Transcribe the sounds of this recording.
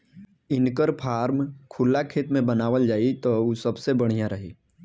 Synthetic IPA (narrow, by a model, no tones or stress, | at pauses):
ɪnkəɾpʰaːɾmkʰʊlːakʰeːt̪mẽbənaːʋəld͡ʒaːit̪ousəbsebəɽ̤̃ijãɾɐɦiː